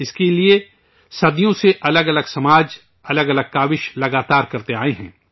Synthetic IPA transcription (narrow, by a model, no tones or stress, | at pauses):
ɪskelie | sɐd̪ijõseʔɐləɡɐləɡsɐmaːd͡ʒ | ɐləɡɐləɡ̚kaːʋɪʃlɐɡaːt̪aːɾkɐɾt̪eaːeɦɛ̃ː